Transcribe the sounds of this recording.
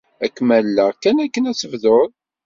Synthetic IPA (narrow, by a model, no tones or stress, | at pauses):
ækːmælːækːænækːənæt͡sːəvðoð